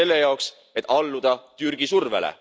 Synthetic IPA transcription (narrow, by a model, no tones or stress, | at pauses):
e̞lːe̞jɑoks | et̪ːˑɑlːud̪̥ɑt̪yrɡ̥isurvḛlḛ